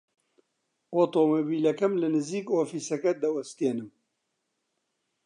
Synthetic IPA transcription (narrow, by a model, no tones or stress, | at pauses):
oːt̪oːmoːbiːlɐkɐmlɨnɨziːkoːfiːsɐkɐd̪ɐwɐst̪eːnɨm